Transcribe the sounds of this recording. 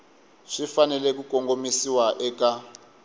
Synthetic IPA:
ʂifanɛlɛkukoŋɡomisiwaʔɛka

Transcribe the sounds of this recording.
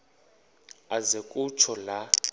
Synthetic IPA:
azekʼut͡ʃʰɔla

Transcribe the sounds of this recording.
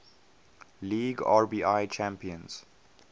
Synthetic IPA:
liːɡa̰ːɹbiːaɪt͡ʃʰæ̃mpiə̃nz̥

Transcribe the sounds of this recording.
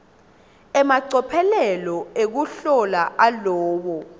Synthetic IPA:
ɛmaǀɔpʰɛlɛlɔek̬uɬɔlaʔalɔːwɔ

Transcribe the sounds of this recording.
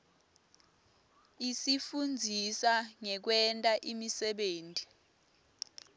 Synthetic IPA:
isifund͡zʱisaŋɛk̬wɛntʼaʔimisɛɓeːntʼi

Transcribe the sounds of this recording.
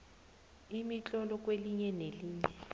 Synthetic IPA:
imit͡ɬʼɔlɔk̬ʼweliɲɛneliːɲɛ

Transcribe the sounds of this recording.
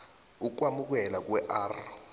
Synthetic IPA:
uk̬wamuk̬ɛlak̬wɛʔaːr

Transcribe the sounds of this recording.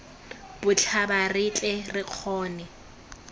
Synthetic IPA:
b̥ʊt͡ɬʰabarɪt͡ɬʼɛrɪq͡χʰɔːnɛ

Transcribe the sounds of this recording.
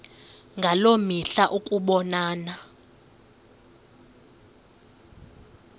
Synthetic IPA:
ŋɡʱalomiɬaʔukʼuɓɔnaːna

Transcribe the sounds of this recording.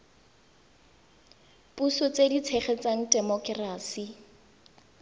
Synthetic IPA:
pʼusɔt͡sedit͡sʰɛχɛt͡saŋ̩dɛmɔkʼraːsi

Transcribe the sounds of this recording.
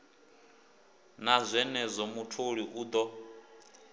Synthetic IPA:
nazʷɛnɛzʷɔmutʰoɺiʔuːd̪ɔ

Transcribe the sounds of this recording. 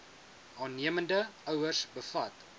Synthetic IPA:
ɑːnːiəməndəœwərsbəfɐt

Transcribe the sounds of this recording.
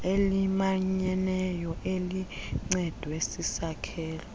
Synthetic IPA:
elimaɲɛnɛjɔʔeliŋ͡ǀɛd̥ʱwesisakʰɛːlɔ

